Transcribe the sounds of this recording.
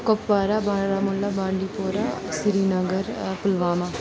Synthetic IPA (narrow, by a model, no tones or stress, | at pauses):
kopʋaːɾaːbãːɾaːmʊlːaːbãːɳɖiːpoːɾaːsɪɾiːnəɡəɾpəlʋaːmaː